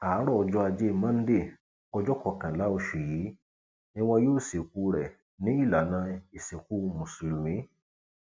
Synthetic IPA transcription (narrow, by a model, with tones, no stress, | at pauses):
a˨˦ɾɔː˦˧d͡ʒɔ˧˦a˧d͡ʒe˦˨mã˦n̩˦de˦˨ | ɔ˦d͡ʒɔ˦kɔ˨kã˨la˦o˨ʃi˨ji˨˦ | nĩ˦wã˧jo˦˨se˨ku˦ɾɛ˨ | nĩ˦i˦˨la˨nã˧i˨se˨ku˦mũ˨si˨lĩ˨˦